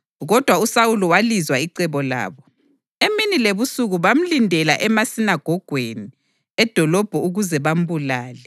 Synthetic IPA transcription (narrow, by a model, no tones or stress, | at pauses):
ɣɔd̥ʱwausawuluwalizwaiǀɛβɔla̰ːβɔ | eminileβusuɣuβam̩lindʱɛla̰ʔɛmasinaɡ̥ʱɔɡ̥ʱweni | ɛd̥ʱɔlɔb̥ʱɔuɣuzɛβam̩bulaːlɛ